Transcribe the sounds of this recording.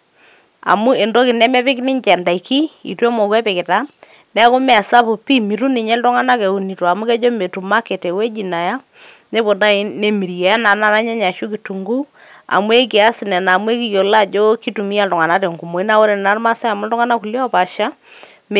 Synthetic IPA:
a̰˨mu˦e˨ndo˦kɪ˨nɛ˦mɛ˦pɪ˦knɪ˦ɲt͡ʃɛ˨nda˨i˨ki˦ḭ˨twe˦mɔ˨kwɛ˦pɪ˨kɪ˨ta˦ | nɛ˦kʊ˦mɛ˨a˨sa˦pʊ˨pi˦mi˨ɾu˦nɪ˨ɲɛ˦ltɔ˦ŋa˦na˦ke˨u˨ni˨tɔ˨a˨mu˦kɛ˦d͡ʒo˦me˨tu˨ma˦ke˨te˨we˦d͡ʒi˨na˨ja˦ | ne˦po˨da˦i˦ne˨mi˨ɾjɛ˨ja˦na˨na˦ɾa˦ɲɛ˦ɲa˨ʃu˦ki˨tu˨ŋɡu˦ | a̰˨mu˦e˦k̬ɪ˨a˦sɪ˨nɛ˨na˨mu˦e˦ki˨jo˨la˦˨d͡ʒo˦ki˦tu˨mi˦a˦˨ltɔ˨ŋa˨na˦te˨ŋɡu˨mo˨i˦na˦wo˦ɾe˨nɪ˨na˦ɾma˦sa˦a˨m˦ldɔ˦ŋa˦na˦ku˨ljɔ˦pa˨ʃa˦ | m

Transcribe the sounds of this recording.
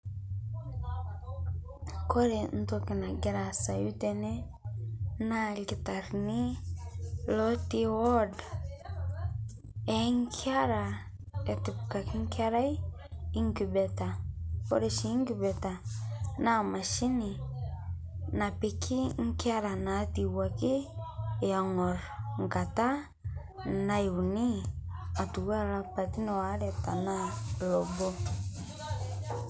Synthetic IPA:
ko˦ɾe˨n̩˦to˦ki˨na˨ɡi˦ɾa˨sa˨ju˦te˨ne˦ | na˦ɡi˨ta˨ɾni˦ | lo˦ti˦wo˦d | e˨˦ŋ˦kʰi˦a˦ɾa˨ | e˨ti˨p̚ka˨ki˦ŋ˦ka˦ɾa˦j | i˦ŋɡi˨be˨ta˨pɔ̰˦ɾe˦ʃi˨˦ŋ˦ki˦bɛ˨ta˨na˦˨ma˨ʃi˦ni˨ | na˨pi˨kʰi˦ŋ̩˦ki˦a˦ɾa˨na˨˦ti˨wa˨kiː˦˨ | a˨ŋɔ˨ɾŋ̩˨ka˨ta˦ | na˨i˨u˨ni˦a˨tu˨ɡa˦ɾa˨pa˨ti˦nɔ˨a˨˦ɾɛ˨ta˨na˦lɔ˨bɔ˦

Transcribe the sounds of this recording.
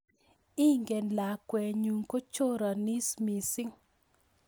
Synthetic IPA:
i˦ŋɡe˨nla˨kwɛ˨ɲu˨ŋko˦t͡ʃo˦ɾa˨ni˦smi˨si˦ŋ

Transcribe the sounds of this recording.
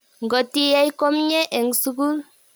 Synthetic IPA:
ŋ˨ɡɔ˨ti˦ja˦i˦ko˦mɲɛ˦ʔe˨ŋsu˦ɡu˦l

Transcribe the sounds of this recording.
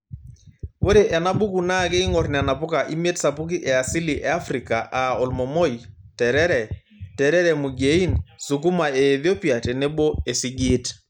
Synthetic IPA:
wo˦ɾe˨ʔɛ˨na˦bu˦ku˨na˦˨ke˦i˦ŋɔ˨ɾn˨a˨na˨pʊ˦ka˨ʔi˦m˦e˦tsa˨pʊ˦ki˦ʔɛ˨a˨si˦li˨ʔɛ˨a˦fɾi˨ka˨ʔa˨o˨lmɔ˨mo˦jtɛ˨ɾɛ˦ɾɛ˨ | tɛ˨ɾɛ˦ɾɛ˨mu˨ɡe˨˦i˦nsu˨k̬u˦ma˨e˨ðjo˦pi˨a˨tɛ˨ne˦bo˦e˨si˦ɡiː˦t

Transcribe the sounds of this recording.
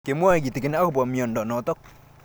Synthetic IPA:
ke˨mwɔ˦i˨ki˨ti˨kɪ˦na˦kʊ˨bɔ˨mjɔ˨ndɔ˨nɔ˨tɔ˦k̚

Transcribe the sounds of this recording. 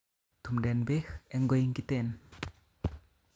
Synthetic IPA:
t̪ʰu˨mdɛ˨nbe˦xɛ˧ŋɡo˧jiŋkit̪e˧˨n

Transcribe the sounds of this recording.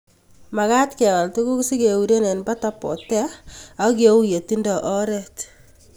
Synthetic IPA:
ma˨ka˦tkɛ˨ŋa˨ltu˦ku˦ksi˦ke˨u˨ɾe˦ne˨nba˦ta˦pɔ̰˨tɛ˦a˦ke˨u˦je˨ti˦ndɔ˨ʔɔ˦ɾɛ˦t

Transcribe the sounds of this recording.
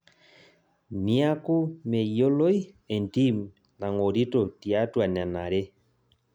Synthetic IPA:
mja˦kʊ˦me˨jo˦lo˦i˦ | e˨nti˦m | na˨ŋo˨ɾi˦to˨ti˨a˦twa˨n˨a˨na˨ɾe˦

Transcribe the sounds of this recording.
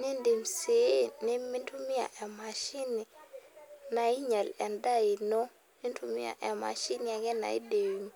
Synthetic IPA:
ni˦ndi˨mse˨˦ni˦mi˦ntu˦mi˦a̰˨ʔe˨ma˨ʃi˦ni˨ | na˨i˦ɲa˨le˨nda˦ji˨no˦ | ni˦ntu˦mḭ˦a̰˨ʔe˨ma̰˨ʃi˦ni˨a˨ɡe˦na̰˨ḭ˦de˨wu˨m

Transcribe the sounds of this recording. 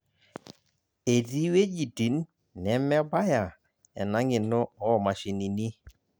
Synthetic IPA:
e˨di˦we˦d͡ʒi˨di˨˦nː | ɛ˨˦mɛ˦ba˦ja˨ | ɛ̰˨na˦ŋɪ˨nɔ˦ɔ˦˨ma˨ʃi˨ni˨ni˦

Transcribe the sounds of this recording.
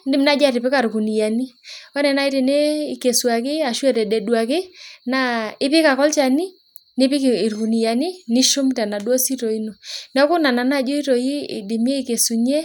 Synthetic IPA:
ndɪ˦mna˦d͡ʒa˦tɪ˨pɪ˦ka˨ɾku˨ni˨ja˨ni˦ɔ˦nɛ˨na˦i˦te˨ne˦ɪ˨ke˨swa˨kɪ˦a˨ʃwɛ˨tɛ˨dɛ˨dwa˨kɪ˦na˦ɪ˦pɪ˦ka˨kɔ˦lt͡ʃa˨ni˦ | nɪ˦pɪ˦kɪ˨ɾku˨ni˨ja˨ni˦nɪ˦ʃʊ˦mta˨na˨dwɔ˦si˦to˨i˦no˨n˦ɔ˦kʊ˦na˨na˨na˦˨d͡ʒo˦i˦to˨i˦ɪ̰˨dɪ˨mje˦i˦˨ke˨su˨ɲɛ˦

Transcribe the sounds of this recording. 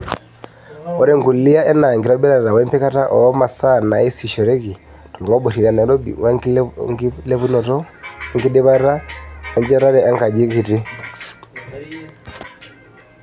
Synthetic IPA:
ɔ˦ɾɛ˦ŋɡu˨li˦a˦ʔɛ˦na˨ŋɡi˨ɾɔ˦bɛ˦ɾa˨ɾa˨wɛ˦mpɛ˦ka˦ta˦ʔɔ˨ɔ˦ma˨sana˨i˦si˨ʃɔ˨ɾɛ˦ki˨ | tɔ˨lɔ˨ma˦bɔ˨ɾi˨ɾa˨na˨ɾɔ̰w | lɛ˦βu˦nɔ˨tɔ˦ŋɡi˦di˦βa˦ɾa˦a˦ɲd͡ʒɛ˦ɾa˦ɾɛ˦ʔa˦ŋka˨d͡ʒi˦ki˨ti˦

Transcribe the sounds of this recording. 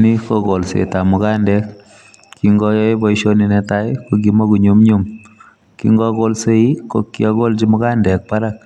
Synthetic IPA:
ni˦ko˦ko˨lsḛ˨ta˨mu˨ka˦ndɛ˦k̚ | kːi˧ŋɡɔ˦jɔ˦jbɔ˦iʃo˦ni˨nɛ˨ta˦jko˦k̬imɔ˦ku˨ɲu˦mɲu˦m | kḭ˦ŋɡɔ˦ko˦lse˦i˦ko˦kːi˦ɔ˦ko˦lt͡ʃi˦mu˦kaː˦ndɛ˨k̚pa˦ɾak̚

